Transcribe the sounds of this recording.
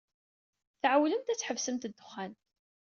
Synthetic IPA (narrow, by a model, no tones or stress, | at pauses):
θʕawləmt̪æt͡sːħəvsəmt̪əd̪ːʊχːæn